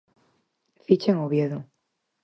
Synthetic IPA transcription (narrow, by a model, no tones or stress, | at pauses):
fit͡ʃeŋoβjeðʊ